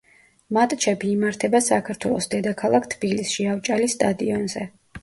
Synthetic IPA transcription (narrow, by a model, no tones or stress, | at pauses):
mat̪ʼt͡ʃʰɛbiːmaɾt̪ʰɛbasakʰaɾt̪ʰwɛlˠɔsd̪ɛd̪akʰalˠakʰt̪ʰbilisʃiavt͡ʃʼalisːt̪ʼad̪iɔnzɛ